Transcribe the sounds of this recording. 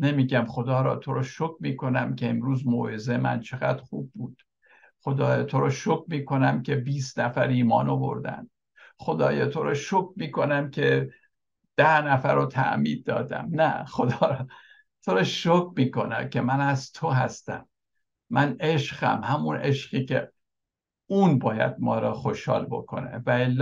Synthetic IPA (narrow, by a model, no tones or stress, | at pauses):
nemiːɟæmχo̞d̪ɒːɾɒ̰ːt̪ʰo̞ɾɒːʃokmiːkʰo̞næmkʰʲe̞emɾuːzmoːjezemæ̰nt͡ʃʰe̞ɣæd̪̥xuːb̚ːuːd̪̥ | χo̞d̪ɒːjɒːt̪ʰoɾɒːʃokmiːkʰo̞næmcʰe̞biːsnæfæɾiːmɒ̰ːnovo̞̰ɾd̪æ̰n | xo̞d̪ɒːjɑːt̪ʰo̞ɾɒːʃokmiːko̞næmcʲʰe̞ | d̪̥æhnæfæɾot̪ʰæ̰ʔmiːd̪̚ːɒ̰ːd̪æ̰mnæxod̪ɒːɾ | t̪ʰoɾɒːʃokmiːko̞næ̰mcʲʰemænæzt̪ʰoɦæst̪æ̰mː | æneʃɢæ̰mhæmuneʃɢiːcḛ | uːnbɒːjæ̰d̪̚mɒːɾɒxoʃhɒ̰ːlbokʰo̞̰nḛvæelː